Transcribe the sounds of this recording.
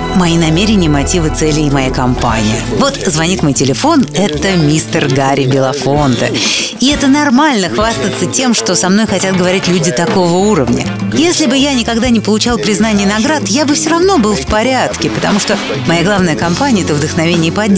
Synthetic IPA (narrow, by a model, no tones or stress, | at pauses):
mɐinɐmʲeɾʲɪnʲɪjəmɐtʲivɨt̪sɛlʲɪːmɐjakɐmpa̰nʲɪ̰jəvo̞t̪zvɐnʲit̪mo̞jʲtʲɪlʲɪfo̞nɛt̪əmʲist̪ərɡaɾʲɪbʲɪlˠɐfo̞nt̪ə̰ | ɪɛt̪ənɐrmalʲnəxvast̪ət̪sətʲe̞mʂt̪o̞sɐmno̞jxɐtʲat̪̚ɡəvɐɾʲitʲlʲudʲɪt̪ɐko̞vəuɾəvnʲə̰jesʲlʲɪbɨjanʲɪkɐɡd̪anʲɪpəlˠʊt͡ɕalˠpɾʲɪznanʲɪjənɐɡɾat̪jabɨfsʲoɾɐvno̞bɨlˠfpɐɾʲat̪kʲɪpət̪ɐmuʂt̪o | mɐjaɡlˠavnəjəkɐmpanʲɪəɛt̪əvd̪ɨxnɐvʲenʲɪjəpɐdʲ